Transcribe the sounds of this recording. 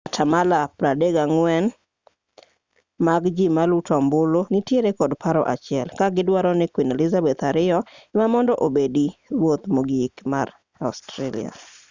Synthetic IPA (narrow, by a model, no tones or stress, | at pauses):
atʰamalapɾadeɡaŋwɛn | maɡd͡ʒimalutɔmbolonitjeɾekɔdpaɾɔ̰ʔa̰t͡ʃɪɛlkaɡɪdwaɾɔnɪkwinelɪzabɛt̪aɾɪjɔɛmamɔndɔʔobediɾwot̪moɡikma̰ɾ | astɾelɪ̰a̰